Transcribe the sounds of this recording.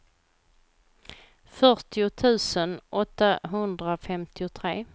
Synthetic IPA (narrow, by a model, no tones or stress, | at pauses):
fœʈɪʊt̪ʰʉ̟ːsənʔɔt̪ːaɦɵnd̪ɾafɛmt̪ʰɪʊt̪ʰɾeː